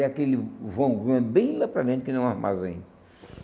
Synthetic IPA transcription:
akelɪvõɡɐ̃bĩlɐpɾaʒẽnt͡ʃ̪ɪkɪnɐ̃w̃ahma̰zẽɲ

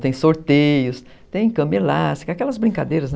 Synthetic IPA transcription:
t̪ẽj̃soɾt̪ejʊs | t̪ẽj̃kɐ̃melast̪i̥kakɛlɐzbɾĩkad̪ejɾɐzn

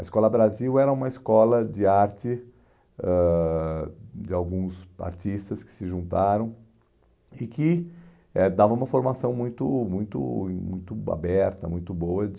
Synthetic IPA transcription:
ɐɪskɔlɐbɾaziwɛɾɐũmɐɪskɔlɐd͡ʒɪaɾt͡ʃɪ | ɛ | d͡ʒɪawɡũsa̰ɾt͡ʃist̪ɐskɪ̥sɪʒũnt̪aɾɐ̃w̃ | ɪkɪ | ɛd̪avɐũmɐfoɾmasɐ̃w̃mũj̃t̪ʊmũj̃t̪ʊ̰mũj̃t̪ʊa̰bɛɾt̪ɐmũj̃t̪ʊbowɐ

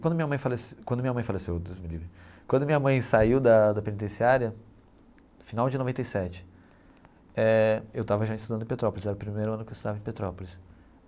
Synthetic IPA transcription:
kwɐ̃d̪ʊmĩɲɐmɐ̃j̃faleskwɐ̃d̪ʊmĩɲɐmɐ̃j̃falesewd̪ojzmilivikwɐ̃nd̪ʊmĩɲɐmɐ̃j̃saiwd̪ɐd̪ɐpẽnit̪̬ẽsiaɾiɐ | finawd͡ʒɪnovẽnt̪ejsɛt͡ʃɪ̥ | ɛewt̪avɐʒaist̪ud̪ɐ̃d̪ẽpet̪ɾɔpolɪsɛɾʊpɾimejɾʊɐ̃nʊkewist̪d̪avɐẽpet̪ɾɔpolis

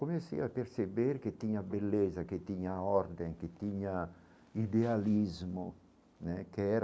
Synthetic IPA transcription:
komesḭapeɾsebeɾket̪ːiɲabelːezaket̪iɲaɔɾd̪eŋket̪iɲa | id̪ealizmo | nɛkeɛɾ

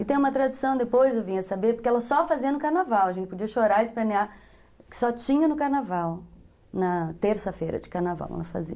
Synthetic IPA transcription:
ɪt̪ẽj̃umɐt̪ɾad͡ʒu̥sɐ̃w̃d̪epojzewvĩɲɐsabeɾpoɾkeɛlɐsɔfaziɐnʊkaɾnavawɐʒẽnt͡ʃɪpod͡ʒiɐʃoɾaɪsplenia | kɪ̥sɔt͡ʃĩɲɐnʊkaɾnavaw | nɐt̪eɾsɐfejɾɐ̰d͡ʒɪkaɾnava̰wkɛ̰lɐfa̰zḭɐ

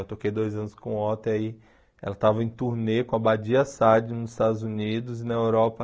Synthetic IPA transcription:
ewt̪okejd̪ojzɐ̃nʊskõɔt̪eai | ɛ̰lɐt̪avɐẽj̃t̪uɾnekõɐbad͡ʒiɐsad͡ʒɪnʊzɪst̪ad̪ʊzunid̪ʊzɪnɐewɾɔpɐ

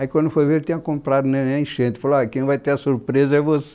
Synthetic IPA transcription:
ɐikwɐ̃nd̪ufojveɾt̪ẽɲɐ̃kõmpɾad̪unɛnɛ̃j̃ʃẽt̪i̥falakẽj̃vajt̪eɾɐsuɾpɾezɐɛvose

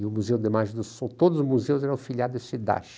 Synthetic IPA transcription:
ɪʊmuzewd̪emaʒẽd̪ʊsõt̪od̪ʊzʊzmuzewʊzɛɾɐ̃filiad̪ʊesid̪a̰ʃ

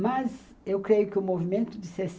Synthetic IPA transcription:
mɐz | ewkɾejʊkɪʊmovimẽnt̪ʊd͡ʒɪses

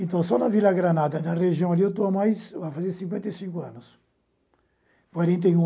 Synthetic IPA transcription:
ẽnt̪ɐ̃w̃sɔnɐvilɐɡɾanad̪ɐnɐreʒiɐ̃w̃aliewt̪̬oamajsafazeɾsĩŋk̬wẽnt̪ɐjsĩŋkʊɐ̃nʊs | kwaɾẽnt̪̬eũ

